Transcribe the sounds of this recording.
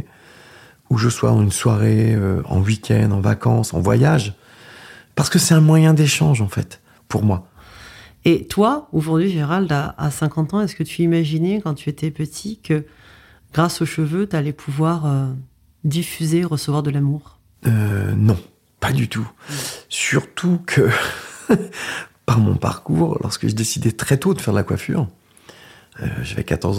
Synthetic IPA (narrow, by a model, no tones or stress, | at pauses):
uʒəswa̰ɑ̃ynswaʁeøɑ̰̃wikʲʰɛ̰nd̪ɑ̃va̰kɑ̰̃sɑ̰̃vwa̰jaʒ | paʁsə̥kəsɛt̪ɛ̃mwajɛ̃d̪eʃɑ̃ʒɑ̃fɛ̰t̪ | puʁmwa | et̪waoʒuʁd̪ɥiʒeneʁald̪aa̰sɛ̃kɑ̃t̪ɑ̃ɛskət̪yimaʒinɛkɑ̃t̪yet̪ʰɛpət̪ʰikə | ɡ̥ʁasoʃəvøt̪yalɛpʰuvwaʁø | d̪ifyzeʁəsəvwaʁd̪əlamuːʁ | ønɔ̃ | pad̪yt̪ʰusyʁt̪ʰukʰə | paʁmɔ̰̃pa̰ʁkuːʁlʔɔ̰ʁskəʒəd̪esid̪ɛt̪χɛt̪od̪əfɛʁd̪əlakwa̰fy̰ːʁ | ø̰ʒa̰vɛ̰kat̪ɔʁ